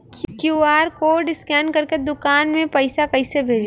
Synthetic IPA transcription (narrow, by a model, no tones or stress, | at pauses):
kkjuːaːɾkoːɖɪskɛːnkɐɾked̪ʊkaːnmẽpɐɪsakɐɪsebʱeːd͡ʒ